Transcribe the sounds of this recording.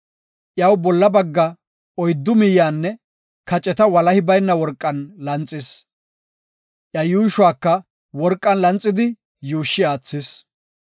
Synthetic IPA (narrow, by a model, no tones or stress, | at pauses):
ʔjɐwbɔlːɐbɐɡːɐ | ɔjd̪ːʊmɪjːaːnːɛ | kɐt͡ʃʼɛt̪ɐwɐlɐhɪbɐjnːɐwɔɾkʼːɐnlɐnt͡sʼːɪs | ʔjɐjuːɪʃwaːkːɐ | wɔɾkʼːɐnlɐnt͡sʼːɪd̪ɪ | juːʃːɪaːt͡sːɪs